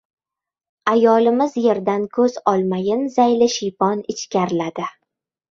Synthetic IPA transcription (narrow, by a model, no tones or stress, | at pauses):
ajɒlɪmɪzje̞ɾd̪ankʰɵz̥ɒlˠmajɪnzajlɪʃɪjpʰɒnɪt͡ʃkʲaɾɪlad̪ɪ